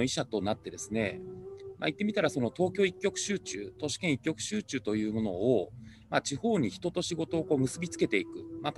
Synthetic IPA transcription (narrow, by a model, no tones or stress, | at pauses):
oiɕat̪o̞nat̪ːe̞d̪e̞sɨne̞̰mʔa̰it̪ːe̞mʲit̪aɾaso̞no̞t̪o̞ːkʲo̞ːikʲːo̞kɯ̟̥ɕɨːt͡ɕɨ̰ːt̪o̞ɕi̥kẽ̞ɰ̃ikʲːo̞kɯ̟̥ɕɨːt͡ɕɨːt̪o̞jɯ̟ːmo̞no̞ː | mat͡ɕiho̞ːɲ̟içi̥t̪o̞t̪o̞ɕiɡo̞t̪o̞ːko̞ːmɯ̟sɨbʲit͡sɨ̥ke̞t̪e̞ikɯ̟map